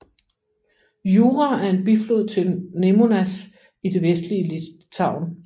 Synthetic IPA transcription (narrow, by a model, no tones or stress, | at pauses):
juːʁaæɐe̝nb̥iflo̝ð̰ˠt͡sʰe̝lne̝mo̝næs | id̥e̝ʋesd̥liəlit͡sʰɑ̈ʊ̰n